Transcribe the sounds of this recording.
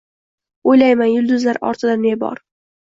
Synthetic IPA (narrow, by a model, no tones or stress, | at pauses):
ojlajmanjʊlˠd̪ʊzlaɾɒ̰ɾt̪ʰɪd̪anːebɒ̰ɾ